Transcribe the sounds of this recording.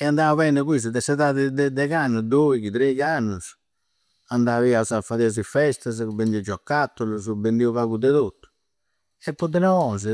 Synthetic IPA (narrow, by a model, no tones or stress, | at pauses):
ɛand̪auβɛnːɛkwis̬ud̪ɛsɛt̪aðɛd̪ɛd̪ɛɣanːud̪oikit̪ɾejanːus | and̪aviasafaðiaz̬ifɛst̪azubend̪iud͡ʒɔkːat̪ːulusubend̪iuβaɣud̪ɛðot̪ːu̥ | ɛpːɔd̪ɛnɔɔnz̬ɛ